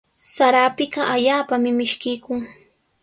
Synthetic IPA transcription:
saɾaːpɪɢɑʔaʎaːpamɪmɪʃkɪjkʊŋ

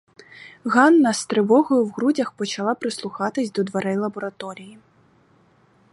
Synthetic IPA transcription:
ɣanːɐst̪ɾɪʋɔɣɔjʊwɣɾud͡zʲɐxpɔt͡ʃɐlˠapɾɪslˠuxat̪ɪsʲd̪ɔd̪ʋɐɾɛjlˠɐbɔɾɐt̪ɔɾʲiji

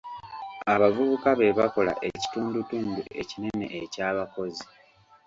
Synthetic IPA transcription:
aβavuβukaβe̞βako̞la̰ʔe̞ci̥tuːndutuːndue̞cine̞ne̞̰ʔːcaːβako̞zi

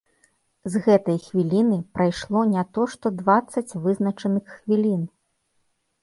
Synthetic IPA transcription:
zɣɛt̪ɐjxvʲilʲinɨpɾajʂlˠɔnʲat̪ɔʂt̪ɔd̪vat̪sːɐt͡sʲvɨznɐt͡ʂɐnɨxːvʲilʲin

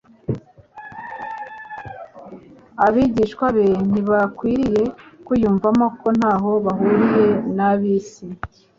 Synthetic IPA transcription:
aβiɟiːʃkwaβen̥iβakwiːɾije̞kujuːɱvamoko̞n̥haːɦo̞βaɦuɾije̞naβisi

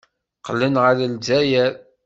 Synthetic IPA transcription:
qəlːənʁəɾəlzæjæɾ

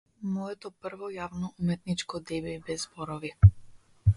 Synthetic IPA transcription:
mɔɛt̪ɔpr̩vɔjavnɔʔumɛt̪nit͡ʃkɔd̪ɛbɛbɛzːbɔɾɔvi

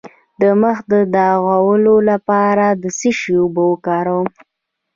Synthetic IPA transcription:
d̪əməxd̪əd̪ɑɣawəlolapɑɾad̪əsiʃiubəwəkɑɾawəm

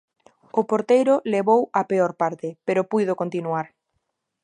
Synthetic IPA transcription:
ʊpoɾt̪ejɾʊleβowapeoɾpaɾt̪ɪpeɾopujðokont̪inuaɾ

